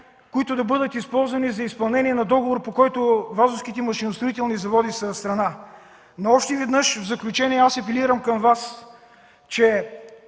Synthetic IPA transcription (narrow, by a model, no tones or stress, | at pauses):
koit̪ʊd̪ɐbɤd̪ət̪ispɔlˠzvɐnizɐispɐlˠnɛniɛnɐd̪ɔɡovoɾpokɔjt̪ovazʊsk̟it̪ɛmɐʃinʊst̪ɾoit̪ɛlˠnizɐvɔd̪isəst̪ɾɐna | noɔpʃt̪oivɛd̪nɤʃvzɐklʲut͡ʃɛniɛasɐpɛliɾəmkɐmvas | t͡ʃɛ